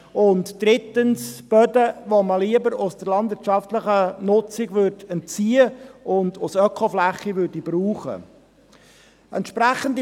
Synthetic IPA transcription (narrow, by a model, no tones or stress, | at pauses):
ʊntd̥ɾɪtənsb̥œdəʋoməliəbəɾʊsd̥əɾlɑndʋɪtt͡ʃɑftləχənʊt͡sɪɡʋødɛntt͡siːəʊnd̪ʊsœkʰoflæχːiʋøɾdibɾuːχə̰ | ɛntʃpɾæχəndi